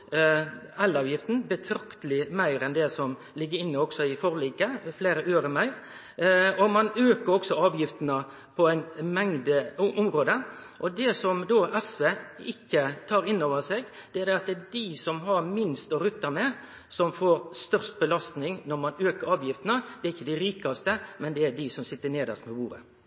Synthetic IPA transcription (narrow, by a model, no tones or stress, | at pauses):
ɛlːɑːʋjɪft̪n̩bət̪ʰɾɑkt̪əlɪmæɪɾɛnd̪ɛsɔm | lɪɡːəɾɪnːəɔksɔɪfɔɾliːkəfleːɾəʔøːɾəmæɪɾ | ɔmɑnøːkəɾɔksɔɑːʋjɪft̪ənə | pʰɔæɪnmɛŋd̪əʔʊmɾoːd̪əʔɔd̪ɛsɔmd̪oːʔɛsʋeːɪkːət̪ʰɑːɾɪnːoːʋəsɛɡd̪̥ɛæɾd̪ɛɑt̪̚d̪ɛd̪ɪsɔmɦɑɾmɪnst̪ɔɾʉt̪ːɑmɛ | sɔmfoːɾst̪œɾʂt̪̚bəlɑst̪nɪŋnɔɾmɑnøːkəɾɑːʋjɪft̪nəd̪̥ɛæɾɪçːəd̪ɪɾiːkɑst̪əmɛnd̪ɛæɾɖ̪ɪsɔmsɪt̪ːəneːd̪ɑ̰st̪mɛbuːɾə̰